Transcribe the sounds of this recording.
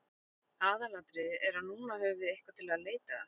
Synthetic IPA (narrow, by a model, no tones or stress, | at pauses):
aːðalat̪ɾɪɛɾ̥haðnuːnaɦœːvɪejhkvat̪ʰɪlaðleːjt̪a